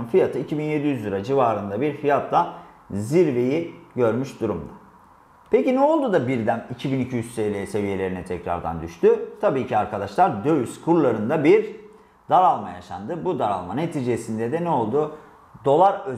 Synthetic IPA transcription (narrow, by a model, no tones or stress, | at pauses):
nfijat̪ʰɯicʰibinje̞d̪ijyzliɾad͡ʒivaːɾɯnd̪abiɾfijat̪ʰlˠa | ziɾve̞jiɟø̞ɾmyʃd̪uɾumd̪a | pʰe̞cinɛo̞lˠd̪ud̪abiɾd̪ænicʰibinicʰijyssejlʲese̞vije̞lʲe̞ɾinɛt̪ʰɛcɾa̰ɾd̪a̰nd̪yʃt̪yt̪ʰabiːcʰiaɾkʰad̪aʃlˠaɾd̪øjyskʰuɾlˠaɾɯnd̪abiɾ | d̪̥aɾalˠmaja̰ʃa̰nd̪ɯbud̪aɾa̰lˠmane̞t̪ʰiːd͡ʒesind̪ɛd̪ɛnɛo̞lˠd̪u | d̪o̞lˠaɾø